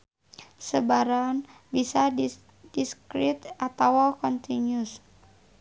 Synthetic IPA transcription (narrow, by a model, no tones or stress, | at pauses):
səbaɾan | bisad | diskɾit̪at̪awakɔnt̪iɲus